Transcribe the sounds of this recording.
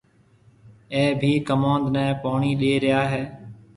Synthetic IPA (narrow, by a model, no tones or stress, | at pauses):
ẽːbʱiːkəmãːnd̪nɛ̃ːpaːɳiːɗeːɾɪjaːɦeː